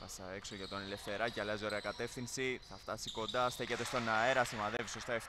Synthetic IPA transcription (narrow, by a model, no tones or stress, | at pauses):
θɐsɐekso̞ʝɐt̪o̞nele̞fθe̞ɾɐceɐlɐzo̞ɾe̞ɐkɐt̪e̞fθinsiθɐft̪ɐsiko̞nd̪ɐst̪ece̞t̪e̞st̪o̞naeɾɐsimɐðeviso̞st̪ɐef